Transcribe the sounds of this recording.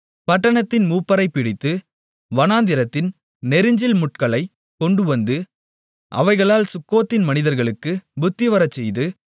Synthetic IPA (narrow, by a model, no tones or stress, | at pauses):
pɐʈːɐɳɐt̪ːɪnmuːpːɐɾɐɪpːɪɽɪt̪ːɯ | ʋɐnaːnd̪ɪɾɐt̪ːɪn | nɛɾɯɲd͡ʒɪlmʊʈkɐɭɐɪ | kɔɳɖɯʋɐnd̪ɯ | ʔɐ̰ʋɐɪɣɐɭaːlsʊkːoːt̪ːɪnmɐnɪðɐɾɣɐɭɯkːɯbʊt̪ːɪʋɐɾɐt͡ʃːɛjðɯ